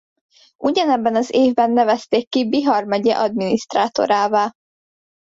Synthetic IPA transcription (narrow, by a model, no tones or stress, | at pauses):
ʔuɟɒnɛbːɛnɒzeːvbɛnːɛvɛst̪eːkːibiɦɒrmɒɟɛʔɒd̪miniʃt̪raːt̪o̰ɾaːvaːl